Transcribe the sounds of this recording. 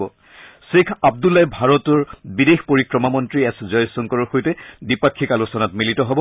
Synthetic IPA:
ɔ | sekʰab̚dulːajbʱaɹɔtɔɹbidexpoɹikɹɔmamɔntɹiɛszɔjsɔŋkɔɹɔɹxojtɛdipakʰːikalusɔnatmilitɔɦɔbɔ

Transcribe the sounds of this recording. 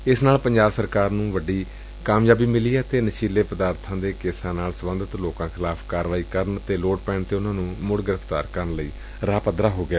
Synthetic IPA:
ɪsnaːlpəɲd͡ʒaːbsəɾkaːɾnũːʋəɖiː | kaːmjaːbiːmɪliːɛːt̪eːnəʃiːleːpəd̪aːɾt̪ʰãːd̪eːkeːsãːnaːlsəbənd̪ʱət̪loːkãːkʰɪlaːpʰkaːɾʋaːiːkəɾənt̪eːloːʈ̚pɛ̃ːɳt̪eːʊnãːnũːmʊɽɡɪɾəpʰt̪aːɾkəɾənləiː | ɾaːpəd̪ɾaːɦoːɡɪjaː

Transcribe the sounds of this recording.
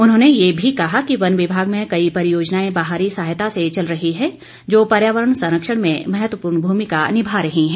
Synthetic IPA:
ʊnɦõːnejebʱikɐɦakiʋɐnʋɪbʱaːɡmẽkɐipɐɾɪjoːd͡ʒnaːẽbaːɦaːɾisaːɦjt̪aset͡ʃɐlɾɐɦiɦɛ̃ | d͡ʒoːpɐɾjaːʋəɾəɽ̃sɐ̃ɾəkʃəɽ̃mẽmɛɦət̪ʋəpuːɾɳbʱuːmikanɪbʱaɾɐɦiɦɛ̃ː

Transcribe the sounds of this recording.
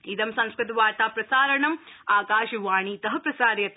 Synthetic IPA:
id̪ɐmsɐ̃ŋskɾɨt̪ɐʋaːɾt̪aːpɾɐsaːɾɐɳɐmaːkaːʃɐʋaːɳiːt̪ɐɦɐpɾɐsaːɾjɐt̪

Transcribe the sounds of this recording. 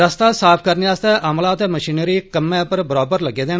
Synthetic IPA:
əst̪aːsaːpʰkəɾnijaːst̪ɛːʔəmlãːət̪eːməʃiːnəɾiːkəmːɛ̃ːpəɾbəɾɔːbəɾləɡeːd̪eː

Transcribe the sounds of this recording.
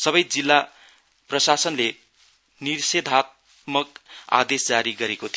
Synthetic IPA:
sʌbʌjd͡zilːa | prʌsasʌnle | nirsed̪ʱat̪̚ | mʌka̰d̪esd͡zaɾiɡʌɾekot̪ʰio

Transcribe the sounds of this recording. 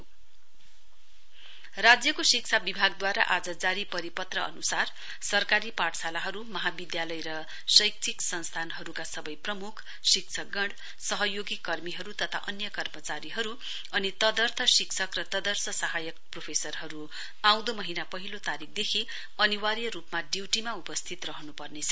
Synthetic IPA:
rad͡zjʌkosik̚t͡sʰabibʱaɡd̪waɾa̰ʔad͡zʌd͡zaɾipʌɾipʌt̪rʌʌ̰nusar | sʌrkaɾipaʈʰsalaɦʌɾumʌɦabid̪jalʌjɾʌ | sʌjk̚t̪ʰiksʌnst̪ʰanɦʌɾukasʌbʌjprʌmukʰ | sikt͡sʰʌɡʌɳɽ | sʌɦʌjoɡikːʌrmiɦʌɾut̪ʌt̪ʰa̰ʔʌnjʌkʌrmʌt͡saɾiɦʌɾu | ʌnit̪ʌd̪ʌrt̪ʰʌsiksʰʌkrʌt̪ʌd̪ʌrsʌsʌɦajʌk̚propʰesʌrɦʌɾu | aw̃d̪omʌɦinapʌɦilot̪aɾik̚ʰd̪ekʰi | ʌniwaɾjʌɾupmaɖiwʈimaupʌst̪ʰit̪rʌɦnupʌrnet͡sʰʌ̥

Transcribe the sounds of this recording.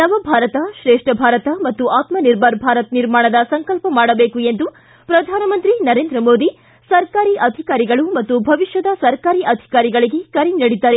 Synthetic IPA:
nɐʋɐbʱaːɾɐt̪ɐʃɾeːʂʈɐbʱaːɾɐt̪ɐmɐt̪ːuʔaːt̪mɐniɾbʱɐɾbʱaːɾɐt̪niɾmaːɳɐd̪ɐsɐŋkɐlpɐmaːɽɐbeːkue̞nd̪u | pɾɐd̪ʱaːnɐmɐnt̪ɾinɐɾeːnd̪ɾɐmoːd̪i | sɐɾkaːɾiʔɐd̪ʱikaːɾiɡɐɭumɐt̪ːubʱɐʋiʃjɐd̪ɐsɐɾkaːɾiːʔɐd̪ʱi̥kaːɾiɡɐɭiɡe̞kɐɾinɐɽid̪ːaːɾe

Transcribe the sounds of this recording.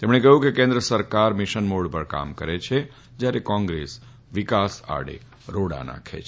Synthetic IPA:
t̪emɽ̃ekəɦjũkekẽnd̪ɾəsəɾkaɾmɪʃənmoɽpəɾka̰mkəɾet͡ʃʰe | d͡ʒjaɾekɔ̃ŋɡɾes | ʋɪkasa̰ɽḛ | ɾoɽa̰na̰kʰḛt͡ʃʰ

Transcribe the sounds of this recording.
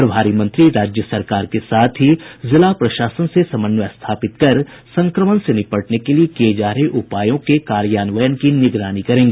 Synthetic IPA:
ɾɐbʱaːɾimə̃nt̪ɾiɾaːd͡ʒjəsɐɾkaːɾkesaːt̪ʰɦizɪlapɾɐʃaːsənsesɐmənʋəst̪ʰaːpɪt̪kɐɾ | sɐ̃ŋkɾəmənsenɪpəʈnekeliekeːd͡ʒaːɾeʔʊpaːjõkekaːɾjaːnʋəjənkinɪɡɾaːnikɐɾẽːŋɡeː

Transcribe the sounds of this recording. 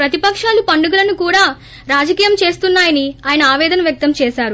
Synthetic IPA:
pɾɐt̪ipɐkʂaːlupɐɳɖuɡɐlɐnukuːɽaː | ɾaːd͡ʒɐkiːjɐmt͡ʃe̞ːst̪unːaːjɐniaːjɐnɐaːʋɛːd̪ɐnɐʋjɐk̚t̪ɐmt͡ʃɛːʃaːɾu

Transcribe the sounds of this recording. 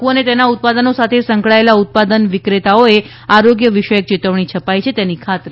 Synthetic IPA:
uənet̪enaut̪̚pad̪ənosat̪ʰesə̃ŋkɭaelaut̪̚pad̪ənʋɪkɾet̪aoe | aɾoɡjəʋɪʃəjək̚t͡ʃit̪əʋɳ̃it͡ʃʰəpajt͡ʃʰet̪enikʰat̪ɾe

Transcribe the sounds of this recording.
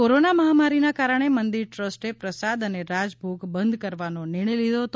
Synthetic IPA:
oɾonaməɦamaɾinakaɾəɳ̃emənd̪iɾʈɾəsʈepɾəsad̪əneɾad͡ʒbʱuɡbənd̪ʱkəɾʋanonɪɾɳəjlid̪ʱoɦət̪o

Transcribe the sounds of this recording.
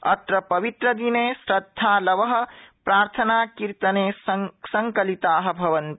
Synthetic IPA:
ɐ̰t̪ɾɐpɐʋit̪ɾɐd̪inesɾɐd̪ʱːalɐʋəɦ̆pɾaːɾt̪ʰənakiɾt̪ɐnesɐŋkɐlit̪aːɦɐ̆bʱɐʋɐnt̪

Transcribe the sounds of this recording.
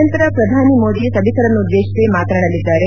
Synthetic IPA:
ɐnt̪ɐɾɐpɾɐd̪ʱaːnimoːd̪isɐbisɐɾɐnːuud̪ːeːʂisemaːt̪ɐɾɐɳɐlːid̪ːaːɾe

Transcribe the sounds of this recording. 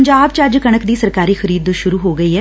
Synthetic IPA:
ɲd͡ʒaːbt͡ʃɐd͡ʒkɐɽ̃əkd̪iːsɐɾkaːɾixʰɐɾiːd̪ʃʊɾuɦoːɡɐiɦɛ

